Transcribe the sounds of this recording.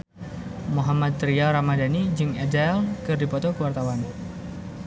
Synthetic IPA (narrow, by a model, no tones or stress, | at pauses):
moɦamat̪̚ːɾiaɾamadanid͡ʒɨŋɛdaɛlkɨrdipɔt̪ɔkuwart̪awan